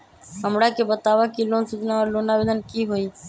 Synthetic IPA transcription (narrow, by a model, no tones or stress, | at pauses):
ɦəmɽaːkebət̪aːʋaːkiːloːnsud͡ʒnaəɾloːnaːbɪd̪ənkiːɦoːiː